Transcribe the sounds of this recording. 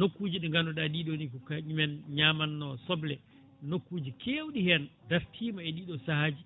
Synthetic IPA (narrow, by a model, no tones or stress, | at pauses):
nokːuːd͡ʒiɗɛŋɡanɔɗaɗiːɗonikukaɲumɛnɲaːmanːɔsɔblɛ | nokːuːd͡ʒikʰewɗihɛndaɾtʰiːmaɛɗiːɗɔsahad͡ʒi